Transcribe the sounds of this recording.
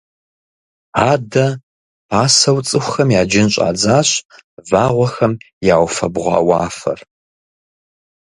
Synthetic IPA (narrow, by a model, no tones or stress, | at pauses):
aːdɐ | pʰaːsɐwt͡sʼɨxʷxɐmjaːd͡ʒɪnɕʼa̰ːd͡zaːɕʼvaːʁʷɔxɐm | jaːwfɐ̰bʁʷɑ̰ːwɑːfɐ̰r